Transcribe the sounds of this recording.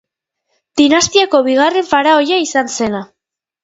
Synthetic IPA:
d̪̥inast̪iako̞βiɣ̞are̞ɱfaɾaojaisanse̞na

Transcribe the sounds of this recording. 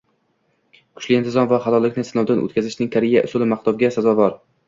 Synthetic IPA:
kʰʊ̥ʃlɪɪnt̪ʰɪzɒnvaχalɒlːɪkʲnɪsɪnɒwd̪anʔo̰t̪kʲʰazɪʃnɪŋkʰaɾɪjaʔʊ̰sʊlɪmaqt̪ɒbɡʲasazɒvɒɾ

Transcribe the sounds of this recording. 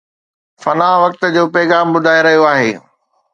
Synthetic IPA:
fɐnaːʋɐk̚t̪̆d͡ʑoːpɛːɣaːmbʊd̪ʱaːeɾɐɦijoaːɦeː

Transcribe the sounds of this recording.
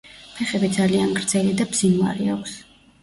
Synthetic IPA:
pʰɛχɛbid̪zalianɡɾd̪z̥ɛlid̪abz̥inva̰ɾiakʰʷs

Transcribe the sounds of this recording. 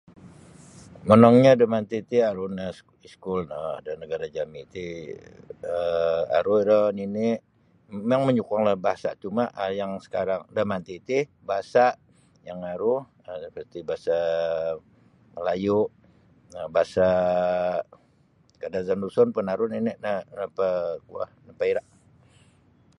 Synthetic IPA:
mənɔŋɲadamant̪it̪iaɾʊna | iskʊlnadanəɡaɾad͡ʒamit̪i | əa̰ɾʊiɾəninɪʔ | mmaŋməɲukaŋlahbaɦasa̰ʔt͡ʃumaʔjaŋsə̥kaɾaŋdamant̪it̪ibaɦasaʔ | jaŋaɾʊh | əəpəst̪ibaɦasa | məlajʊʔ | nəbaasa | kadazandusɔnpənaɾʊninɛʔnanapəkua̰hnapaiɾaʔ

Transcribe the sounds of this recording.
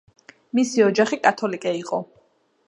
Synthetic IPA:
misiɔd͡ʒaχikʼat̪ʰɔlikʼɛiqʼɔ

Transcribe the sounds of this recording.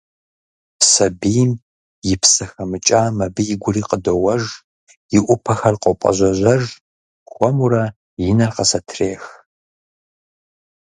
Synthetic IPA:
sɐbijm | jɪpsɐxɐmɨt͡ʃʼaːmɐbɨjɪɡʷʊriːqʼədowɐʒ | jɪʔʷʊpʰɐxɐrqʷʼɔpʼɐ̰ʑʷɐʑʷɐʒ | xʷɔmuɾɐ | jɪnɐrqɐsɐtʰreːx

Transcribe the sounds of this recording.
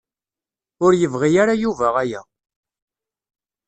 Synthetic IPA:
ʊɾjəvʁijaɾajuvæʁæjæ̰

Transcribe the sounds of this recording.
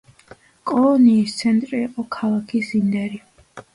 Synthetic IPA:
kʼɔlɔniːst̪sʰɛnt̪ʼɾiːqʼɔkʰalˠakʰisind̪ɛɾi

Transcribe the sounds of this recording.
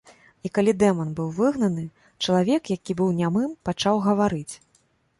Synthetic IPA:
ikalʲid̪ɛmɐnbɨwvɨɣn̪ɐnɨ | t͡ʂɐlˠavʲɛkjakʲibɨwnʲamɨmpat͡ʂawɣɐvaɾɨt͡sʲ

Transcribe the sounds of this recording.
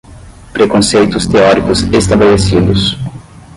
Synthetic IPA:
pɾekõsejt̪ʊst̪eɔɾikʊsest̪abelesid̪ʊs

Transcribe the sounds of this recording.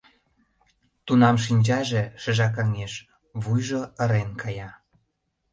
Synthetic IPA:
t̪unɑmʃ̬inʲd͡ʑɑʒĕʃə̆ʒɑk̬ɑŋeʃ | βujʒoə̆ɾenkʰɑjɑ

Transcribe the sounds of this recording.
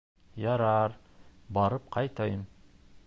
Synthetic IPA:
jɑɾɑɾ | bɑɾɤp̚qʰɑjt̪ɑjəm

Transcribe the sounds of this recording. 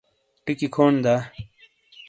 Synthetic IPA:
ʈikikʰoːnd̪a

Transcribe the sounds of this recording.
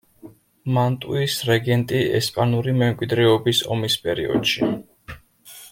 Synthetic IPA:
mant̪ʼuisɾɛɡɛnt̪ʼiɛ̰spʼanuɾimɛmkʼwid̪ɾɛɔbisɔ̰mispʼɛɾḭɔ̰d̪̥ʃi

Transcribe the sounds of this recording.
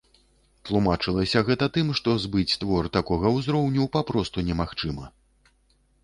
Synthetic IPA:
t̪lˠumat͡ʂɨlˠɐsʲɐɣɛt̪ɐt̪ɨmʂt̪ɔzbɨt͡sʲt̪vɔrt̪akɔɣɐwzɾɔwnʲupapɾɔst̪unʲɛmaxt͡ʂɨmɐ

